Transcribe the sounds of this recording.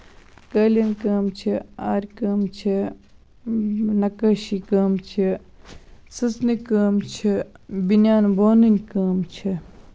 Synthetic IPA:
kəːlʲɐnkɐːmt͡ʃʰiaːɾʲkɐːmt͡ʃʰi | nɐkɐʃikɐːmt͡ʃʰi | sɨsnikəːmt͡ʃʰibinaːnboːninʲkəːmt͡ʃʰi

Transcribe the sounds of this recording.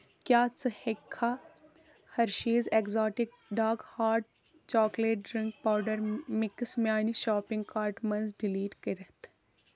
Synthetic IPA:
kjaːt͡sɨhekʰːa | hɐɾʃiːzekzɔːʈɪk̚ɖaːkhaːɾʈ̚ | t͡ʃɔːkleːʈ̚ɖɾiŋk̚paːwɖəɾmɪksmjaːniʃaːpɪŋɡkaːɾʈmɐnzɖɪliːʈkəɾɐt̪

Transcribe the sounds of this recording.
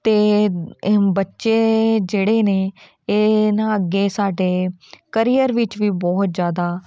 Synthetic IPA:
t̪eː | bətːʃeːd͡ʒeːɽeːneː | eːnãːəɡːeːsaːɖeːkəɾiːəɾʋɪt͡ʃʋiːbɔːt̪zjaːd̪aː

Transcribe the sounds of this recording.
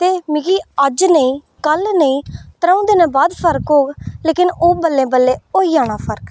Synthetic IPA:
t̪eːmɪ̃ɡiːəd͡ʒnəĩː | kəlnəĩːt̪əɾaːũːd̪eːnɛ̃ːbaːd̪pʰəɾkɦoːɡleːkɪnoːbəlːẽːbəlːẽːoːiːãːɽaːpʰəɾk

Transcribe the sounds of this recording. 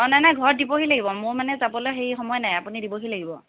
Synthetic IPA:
ɔnajnajɡʱɔɹdibɔɦilaɡibɔmoɹmanɛzabɔlɔxejxɔmɔjɔnajapunidibɔɦilaɡibɔ

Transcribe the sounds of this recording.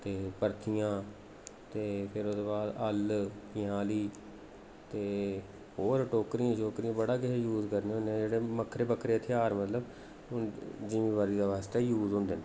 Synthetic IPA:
t̪eːpəɾt̪ʰɪjãː | t̪eːpʰɪɾod̪oːbaːd̪əlkɪjaːliː | t̪eː | ɦoːɾʈoːkɾijãːt͡ʃoːkɾijãːbəɽaːkɪejuːzkəɾnẽɦʊnd̪eãːd͡ʒeːɽeːməkʰːɾeːbəkʰːɾeːt̪ʰeaːɾmət̪ləb | d͡ʒimĩːʋaːɾiːd̪aːʋaːst̪eːjuːzɦʊ̃ːnd̪eːnː

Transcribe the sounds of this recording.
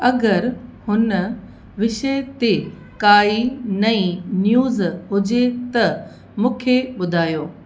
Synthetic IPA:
ɐɡəɾhʊnə | ʋɪʃet̪e | kaːinɐĩnjuːzɦʊd͡ʑet̪ɐ | mũːkʰeɓʊd̪ʱaːjoː

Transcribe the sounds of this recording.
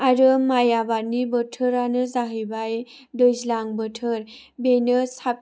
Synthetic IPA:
aɾəmajabaɾnibəʈʰəɾanɯzaɦəjbaj | dəzlaŋbəʈʰəɾ | benəsap̚

